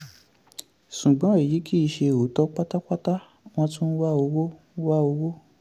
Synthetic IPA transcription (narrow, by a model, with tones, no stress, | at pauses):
ʃu˨ɡ͡bɔ̃˨˦i˨ji˨˦kʰi˦i˧˨ʃe˧˨o˨˦tɔ˦k͡pa˦ta˦k͡pa˦ta˦ | w̃ɔ̃˧tũ˦n̩˦wa˦o˧wo˦ | wa˦o˧wo˦